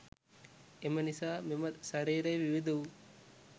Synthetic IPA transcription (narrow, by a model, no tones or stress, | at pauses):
emɐnɪsaːmɪmɐt̪sɐɾeːɾɐʋɪʋɪd̪ɐʋ